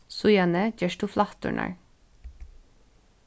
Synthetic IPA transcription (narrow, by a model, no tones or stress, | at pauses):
sʊjɑnəd͡ʒɛʃtʊflɑt̪ʉ̰ɳʔɑ̰ɹ